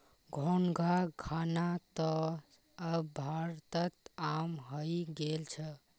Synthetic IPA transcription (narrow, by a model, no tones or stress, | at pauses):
ɡʱonɡʱakʰanat̪ɔ | əbʱaɾt̪ət̪amɦəjɡelt͡ʃʰə